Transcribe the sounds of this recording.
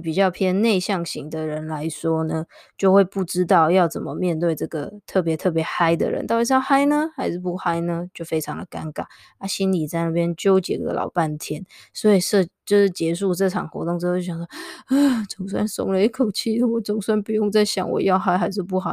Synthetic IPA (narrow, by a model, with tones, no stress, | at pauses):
pi˨˩t͡ɕjɑ˥˩ʊpʰjɛ˥nne˥˧ɪɕjɑ˥˩ŋɕi˧˥ŋd̪ə˨ɻə˧˥nla˧˦ɪʂwɔ˥nə˧ | t͡ɕjo˥˧ʊxwe˥˧ɪpu˥˩ʈ͡ʂɻ̩˥t̪̬ɑ˥˩ʊjɑ˥˩ʊt͡sə˨˩mə˦mjɛ˥˧nt̪we˥˧ɪʈ͡ʂɤ˥˩ɡə̰˩t̪ʰɤ˥˩p̬jɛ˧˥t̪ʰɤ˥˩pjɛ˧˥xa˥ɪd̪ə̰˨ɻə̰˧˦nt̪i˧˥˧xa˥ɪnə˧xa˧˥ɪʂɻ̩˥˩pu˥˩xa˥ɪnə˧t͡ɕjo˥˩ʊfe˥ɪʈ͡ʂʰɑ˧ŋd̪ə˨˩ka˦nka̰˨˩n | a˥˩ɕi˥nli˨˩t͡sa˥˧ɪna˥˩pjɛ˥nt͡ɕjo˥ʊt͡ɕjɛ̰˨˩ɡə˩ə̰˦lʔɑ̰˨˩ʊpa˥˩nt̪ʰjɛ˥n | swɔ˧˥i˨˩ʂɤ˥˧t͡ɕjo˥˧ʊʂɻ̩˥˩t͡ɕjɛ˧˥ʂu˥˧ʈ͡ʂɤ˥˩ʈ͡ʂʰɑ˨˩ŋxwɔ̰˧˥t̪ʊ˥˧ŋʈ͡ʂ̩˥˩jɑ˨˩s̬ɔ˥a˥˩t͡sʊ˨˩ŋs̬wa̰˥nsʊ̰˧˥ŋlə˧i˥kʰo˨˩ʊt͡ɕʰi˥˩ə˨˩wɔ˨˩˦t͡sʊ˨˩ŋswa˥npu˨˩jʊ˥˧ŋt͡sa˥˩ɪɕjɑ̰˨˩ŋwɔ̰˨˩jɑ˥˩ʊxa˥ɪxa˧˥ɪʂ̬ɻ̩˥˧p̬u˥˩xɑ˨˩˦